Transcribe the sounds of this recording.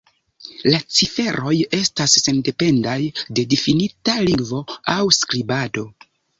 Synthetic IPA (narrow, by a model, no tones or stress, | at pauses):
lat͡sife̞ɾʔo̞je̞stasːe̞nde̞pe̞ndajde̞difinitalivo̞awskɾibado̞